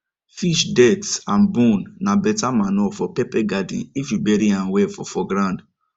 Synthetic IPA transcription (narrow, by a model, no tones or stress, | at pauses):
fiʃdɛtãnbɔ̃nːãbɛtamãnɔfɔpɛpɛɡadḭifjubɛɾiãnwɛfɔfɔɡɾãnd